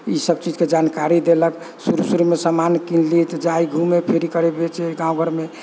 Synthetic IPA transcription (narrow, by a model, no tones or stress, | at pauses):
isəb̚t͡ʃid͡ʒked͡ʒankaɾid̪elək | suɾusuɾumesəmankinlit̪ɔd͡ʒaiɡʱumepʰeɾikəɾebet͡ʃeɡãw̃ɡʱəɾme